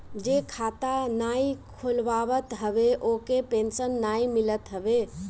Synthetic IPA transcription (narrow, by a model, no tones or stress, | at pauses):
d͡ʒekʰat̪anaikʰulʋaʋət̪ɦəbeʔokepensənːaimilət̪ɦəbe